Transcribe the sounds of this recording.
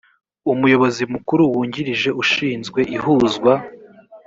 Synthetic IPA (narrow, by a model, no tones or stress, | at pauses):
umujo̞βo̞zimukuɾuwuːɲɟiɾiʒe̞ʔuʃiːnzɡwe̞ʔihuzɡwa